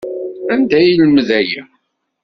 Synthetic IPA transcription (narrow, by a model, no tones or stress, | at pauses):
ænd̪æjilmðæji